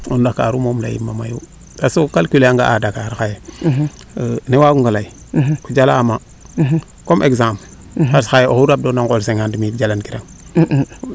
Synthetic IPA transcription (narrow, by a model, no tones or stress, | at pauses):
ondaka̰ɾumomla̰jḭmːama̰jṵ | tasokalkileaŋɡa̰ʔadakaɾxaje | newaɡuŋɡalai | kud͡ʒalaːma | komʔeɡzampl | aɾsxajeʔohuɾab̚donaŋkolseŋandimid͡ʒalankiɾaŋ